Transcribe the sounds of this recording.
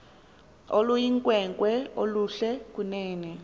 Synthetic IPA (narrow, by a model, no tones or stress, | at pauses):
olujiŋkʼwɛŋkʼwɛoluɬɛk̬ʼunɛːnɛ